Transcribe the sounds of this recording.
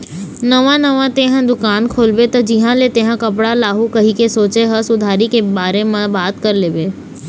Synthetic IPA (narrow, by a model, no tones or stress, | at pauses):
nɐʋãnɐʋãt̪eːɦə̃d̪ʊkaːnkʰoːlbet̪ɐd͡ʒiɦãlet̪ẽːɦãkɐpɽalaːɦukɐɦikesoːt͡ʃeɦɐsʊd̪ʱaːɾikebaːɾemãbaːt̪kɐɾleːʋeː